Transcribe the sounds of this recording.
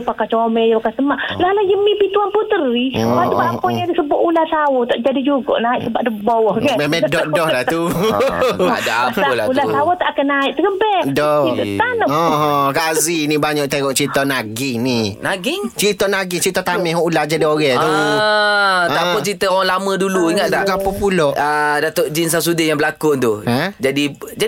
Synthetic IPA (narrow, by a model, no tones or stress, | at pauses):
pakat͡ʃomɛjpakast̪əmalalad͡ʒəmipit̪uanput̪əɾiat̪uaapɔɲadisəbɔʔulahsawɔt̪aʔd͡ʒadid͡ʒuɡɔ̰ʔnaɪʔsəbaʔdəbɔwɔɡaɛmɛdɔʔɔhlat̪u | daʔapalaulahsawɔt̪aʔkənaiʔt̪əkəbɛdɔit̪ət̪anɔɦkazinibaɲɔʔt̪eŋɔʔt͡ʃit̪ɔnaɡɪŋninaɡɪŋt͡ʃit̪ɔnaɡiŋt͡ʃit̪ɔt̪amɛhɦɔʔulahd͡ʒadioɣɛt̪u | t̪aɔt͡ʃit̪əoaŋlamə̃duluiŋat̪lakapɔpulɔʔədat̪oʔd͡ʒins̬as̬udɪjaŋbəlakʊnt̪uəd͡ʒadid͡ʒa